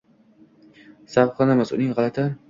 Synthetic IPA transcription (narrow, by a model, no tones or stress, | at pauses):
sabqʰɑnamasʊ̰nɪŋʁɑlˠat̪ʰɪ